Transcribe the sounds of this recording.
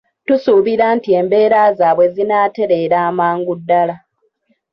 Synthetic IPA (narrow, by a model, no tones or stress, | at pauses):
tusuːβiɾaːntie̞ːmbe̞ːɾazaːβwe̞zinaːte̞ɾe̞ːɾaːmaːŋɡudːala